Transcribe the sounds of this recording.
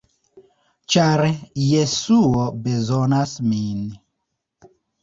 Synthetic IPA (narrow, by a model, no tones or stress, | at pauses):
t͡ʃaɾjesuobezonasmin